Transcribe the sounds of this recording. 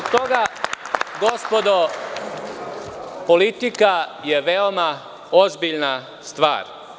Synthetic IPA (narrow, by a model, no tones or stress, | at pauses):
t̪o̞ɡa | ɡospo̞d̪o | polit̪ikajeʋeoma | ozbiʎna | st̪ʋa̰ːɾ